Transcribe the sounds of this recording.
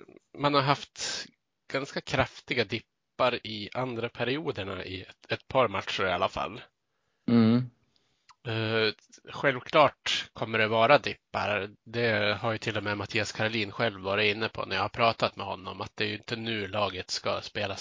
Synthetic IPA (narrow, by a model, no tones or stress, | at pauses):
manhaɾɦaft̪ | ɡ̥anskakʰɾaft̪ɪɡad̪ɪpːaɾɪʔand̪ɾapʰæɾɪuːd̪əɳaʔɪɛt̪pʰɑːɾmat̪ʂʊɾɪalafa̰l̩ː | ɛ | ɧɛlvkʰlɑːʈkʰɔmːəɖɛvɑːɾad̪ɪpːa̰ɾd̪ɛhaɾjɵt̪ʰɪlːɔmɛmat̪ʰiːaskʰaɾʊliːnɧɛlvːɑːɾɪt̪ɪnːəpʰɔ̰næɾjɑhaɾpʰɾɑːt̪at̪mɛhɔnːɔmat̪̚d̪ɛːjɵɪnt̪ənʉ̟ːɭɑːɡət̪ska̰speːla